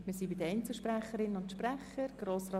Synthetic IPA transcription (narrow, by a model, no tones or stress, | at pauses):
mɪːsibɪd̪əɛɪnt͡sl̩ˠʃpɾæχːəɾɪnːənʊntʃpræχːəɾɡ̥ɾoːsrɑː